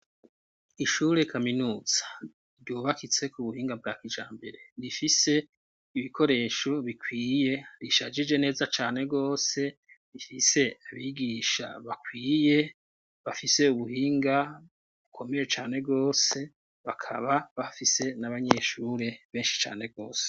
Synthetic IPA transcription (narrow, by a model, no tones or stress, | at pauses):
iʃuːɾe̞kaminuːz̥ḁ | ɾɟoːβakit͡se̞kuβuhiːŋɡab̚ɡaːkid͡ʒa̰ːmbe̞ɾe̞βifise̞ | iβikʰo̞ɾe̞ːʃoβikʰwiːje̞ɾiʃad͡ʒid͡ʒe̞ne̞ːzat͡ʃaːne̞ɡo̞ːse̞ | βifise̞aβiɡiʃa̰βakwiːje̞ | βafise̞uβuhiːŋɡa | βukʰo̞me̞je̞t͡ʃaːne̞bɡo̞ːse̞ | βakʰa̰βaβafise̞naβaɲe̞ʃuːɾe̞βe̞ːnʃi̥t͡ʃa̰ːne̞bɡo̞ːse̥